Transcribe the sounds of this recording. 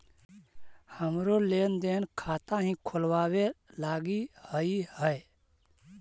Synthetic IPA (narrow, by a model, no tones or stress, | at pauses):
həmɾoleːnd̪eːnkʰaːt̪ãɦĩkʰʊlwaːwelaːɡihəihəe